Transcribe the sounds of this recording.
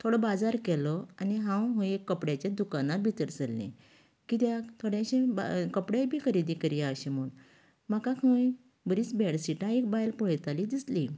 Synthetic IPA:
t̪ʰoɽɔbad͡zaɾkɛlɔaniɦãwɦõekːəpɽjat͡ɕad̪ukanat̪bʱit̪əɾt͡səlːḛ̃ | kit̪jat̪ʰoɽjãɕẽbakəpɽabʱiːkʰəɾid̪ikəɾjaaɕemuːn | makakʰə̃j | bəɾiːt͡sbɛɽsiʈãek̚bajlpɔɭjt̪alid̪isli

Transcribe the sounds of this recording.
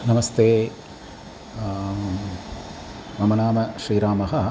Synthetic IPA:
nɐmɐst̪eː | ʋɐmɐnaːmɐʃɾiːɾaːmɐɦɐ

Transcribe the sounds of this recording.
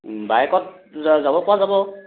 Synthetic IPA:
bajɛkɔt̚ | zzabɔkʊwazabɔ

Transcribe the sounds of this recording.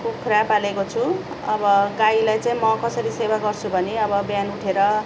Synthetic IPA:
kokʰuɾapalekot͡sʰu | ʌbʌɡailajt͡saĩmʌkʌsʌɾisewaɡʌrt͡sʰubʱʌneʌbʌbjanuʈʰeɾʌ

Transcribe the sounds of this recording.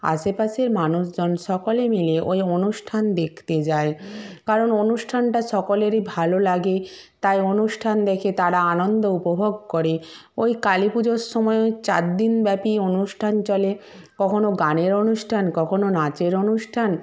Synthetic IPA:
a̰ʃepaʃeɾmanuʃd͡ʑɔnʃɔkolemileʔojonuʃʈʰand̪ekʰt̪ed͡ʑaekaɾononuʃʈʰanʈaʃɔkoleɾibʱalolaɡe | t̪ajonuʃʈʰand̪ɛkʰet̪aɽaanond̪oupobʱoɡ̚koɾe | ojkalipud͡ʑoɾʃːɔmɔet͡ɕaɾd̪inbɛpionuʃʈʰant͡ɕɔle | kɔkʰonoɡaneɾonuʃʈʰankɔkʰononat͡ɕeɾonuʃʈʰan

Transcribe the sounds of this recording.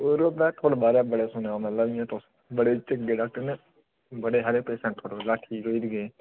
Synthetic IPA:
oːɾoːpɛːt̪ʰoːɽobaːɾɛːbəɽeːsʊneãːmɛ̃laʋiɛ̃ːt̪os | bəɽeːt͡ʃəɡeːɖaːk̚ʈəɾnẽː | bəɽeːɦəɾeːpɾeːsɛ̃ːɳʈ̚t̪ʰoːɽoːlaːʈʰiːɾoːiːd̪ɡeː

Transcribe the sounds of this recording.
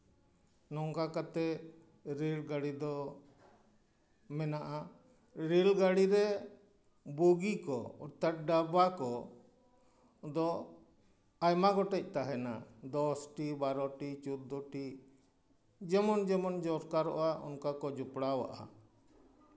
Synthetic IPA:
nɔŋkakat̪ɛ | ɾelɡaɽid̪ɔ | mɛnaʔa | ɾilɡaɽiɾɛ | buɡikɔ̰ɔɾt̪at̪̚ɖabakɔ | d̪ɔ | ajmaɡɔʈɛc̚ˀt̪aɦɛna̰d̪ɔsʈibaɾɔʈit͡ʃut̪̚d̪ɔʈi | d͡ʒɛmɔnd͡ʒɛmɔnd͡ʒɔɾkaɾɔ̰ʔaʔɔ̰nkakɔd͡ʒupɽawa̰ʔa̰

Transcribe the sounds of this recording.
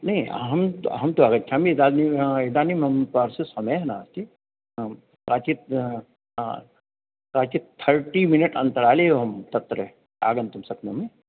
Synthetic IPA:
nɐɦĩɦɐmɦɐmt̪oaːɡɐtt͡ʃʰaːmid̪aːniɪd̪aːnimɐmpaːɾsisɐmeɦnaːst̪i | kaːt͡ʃi | kaːt͡ʃit̪ʰəɾʈimɪnəʈɐ̃nt̪əɾaːleɦoɦɐmt̪ɐt̪ːɾə | a̰ːɡə̃nt̪ɐmsɐpnome

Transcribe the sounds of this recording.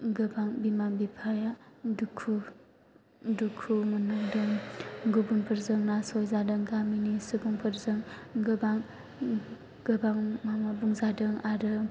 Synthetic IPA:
ɡɯbaŋbimabipʰajadukʰu | dukʰumanaŋdɯŋɡubunpʰɯɾzɯŋnasojzadɯŋɡaminisɯbuŋpʰɯɾzɯŋɡɯbaŋ | ɡ̥ɯbaŋmamabuŋzadɯŋaɾɯ

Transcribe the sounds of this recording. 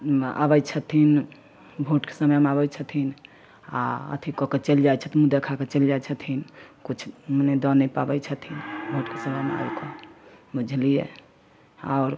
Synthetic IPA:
a̰bəjt͡ʃʰət̪ʰin | bʱoʈke̥səməjmabəjt͡ʃʰət̪ʰin | a̰ə̰t̪ʰikɔket͡ʃəld͡ʒajt͡ʃʰət̪mud̪ekʰaket͡ʃəld͡ʒat͡ʃʰət̪ʰinkut͡ʃʰməned̪ɔnɛpabəjt͡ʃʰət̪ʰinbʱoʈkesəməjmea̰bkʰɔmud͡ʒʱlije | a̰ːɾ

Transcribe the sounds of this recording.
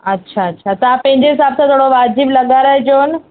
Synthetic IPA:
ɐtːɕʰaɐtːʃʰat̪ɐʋãpɐ̃ɦɪ̃ɲd͡ʑeɦɪsaːbsãt̪ʰoːɽoʋaːd͡ʑiblɐɠaːɾəɦed͡ʑoːn

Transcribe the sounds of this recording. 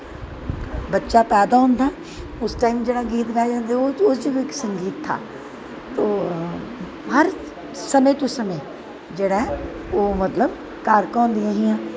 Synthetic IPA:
bɐtːʃapɛːd̪aɦʊ̃nd̪a | ʊsʈaːɪmd͡ʒeːɽaɡiːt̪ɡad͡ʒãːnd̪eood͡ʒobeksɐ̃ŋɡiːt̪ʰːa̰ː | t̪oː | ɦɐɾ | sɐmet̪osɐme | d͡ʒeɽaɦɛ | oːmɐt̪ləb | kaːɾkɔ̃ːnd̪iãɦijãː

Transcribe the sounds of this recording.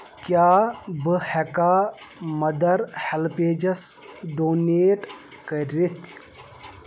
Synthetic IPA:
kʲjaːbɨhɛkaː | mɐd̪ɐɾhɛlpeːd͡ʒɐsɖoːneːʈ | kɐɾit̪ʰ

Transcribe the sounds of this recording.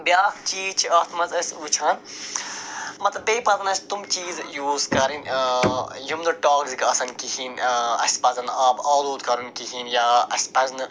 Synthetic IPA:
bjaːkt͡ʃiːzt͡ʃʰiɐːt̪ʰmɐzɐsʲut͡ʃʰaːn | mɐt̪ɐbeːpɐzɐnɐsʰt̪umt͡ʃiːzjuːzkɐɾin | jumd̪ɐʈaːkzikɐsɐnkihiːnɐ̰sʲpɐzɐnaːbaːluːd̪kɐɾunkiɦinjaːɐsʲpɐznɨ

